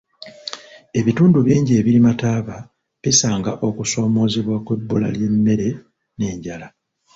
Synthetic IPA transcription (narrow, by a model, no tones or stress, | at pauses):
e̞βituːnduβiːɲɟie̞ːβilimataːβa | βisaːŋɡaʔo̞kuso̞ːmo̞ːzeβwakwe̞bːula̰lje̞mːe̞ɾe̞ | ne̞ːɲɟala